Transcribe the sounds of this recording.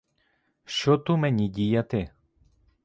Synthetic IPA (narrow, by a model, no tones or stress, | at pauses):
ʃɔt̪umɛɲiɟijat̪ɛ